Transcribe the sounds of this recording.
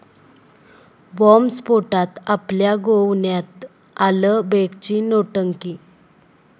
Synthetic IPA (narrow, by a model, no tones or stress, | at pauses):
bɔmspoʈat̪apljaɡowɳjat̪ | aləbekt͡ɕinoʈəŋki